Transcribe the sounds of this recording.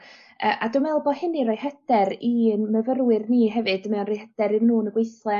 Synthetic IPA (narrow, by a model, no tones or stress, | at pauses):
ə̰ːʔadʊmɛlˠbɔhɪnirɔjhɛd̥ɛɾinməvərwɪrniːɦɛvɨd̥mɛwnrɔjhɛd̥ɛɾɨnnuːnəɡwejθlˠɛ